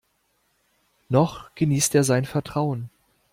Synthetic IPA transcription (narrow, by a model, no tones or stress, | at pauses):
nɔχɡ̥əniːsteːɐzaɪnfɛɐtʁ̥aʊən